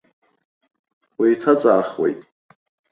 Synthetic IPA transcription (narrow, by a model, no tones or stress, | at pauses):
wejtʰat͡sʼaːχwḛjtʼ